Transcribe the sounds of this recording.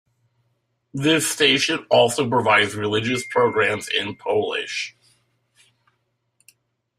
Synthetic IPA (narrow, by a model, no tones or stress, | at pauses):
ðɪsteɪʃɨ̃nɔlˠsoʊpɹ̥əvaɪdzɹɨlɪd͡ʒɨspʰɹ̥oʊɡɹæ̃mzɪ̃npʰoʊlˠɪ̰ʃ